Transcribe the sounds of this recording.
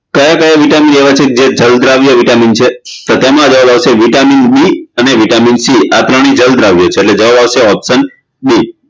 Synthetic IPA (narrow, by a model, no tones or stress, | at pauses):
kəjakəjaʋiʈamineʋat͡ʃʰeked͡ʒed͡ʒəld̪ʱɾaʋjaʋiʈamint͡ʃʰet̪ot̪emãd͡ʒəʋabaʋseʋiʈaminɓiəneʋiʈaminsiat̪ɾəɽ̃id͡ʒəld̪ɾaʋjot͡ʃʰeːʈled͡ʒəʋabaʋʃeɔpsən | ɓi